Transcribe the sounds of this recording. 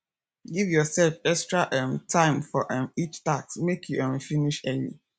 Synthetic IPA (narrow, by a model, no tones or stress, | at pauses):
ɡivjɔsɛlfɛkstɹaʔɛ̃mtʰãɪmfɔʔɛ̃mit͡ʃtaksmekʰjuʔɛ̃mfiniʃɛlḭ